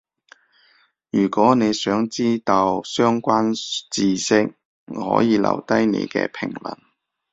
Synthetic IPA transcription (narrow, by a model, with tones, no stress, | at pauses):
jyː˨˩kɔː˨˥ne˨˧jsœː˨˥ŋt͡siː˥t̪o˧wsœː˥ŋkʷaː˥nt͡siː˨sɪ˥k̚ | hɔ̰ː˨˧˥jiː˨˧lɐ̰˨˩wt̪ɐ˥jnḛ˨˧jkɛ̰ː˧pʰɪ˨˩ŋlɐ̰˨˩n